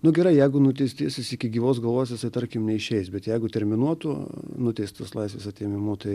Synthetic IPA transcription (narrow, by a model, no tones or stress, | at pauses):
nʊɡʲɛɾɐɪjɛɪɡʊnʊt̪ʲɛɪsʲt̪ʲiːsʲɪsɪkʲɪɡʲiːʋoːsɡɐlˠʋoːjsʲjɪsɐɪt̪ɐɾʲkʲɪmnʲɛɪʃʲɛɪsbʲɛt̪jɛɪɡʊt̪ʲɛɾʲmʲɪnuɔt̪unʊt̪ʲɛɪst̪t̪oːslˠɐɪs̬ʲʋʲeːsɐt̪ʲeːmʲɪmuːt̪ɐɪ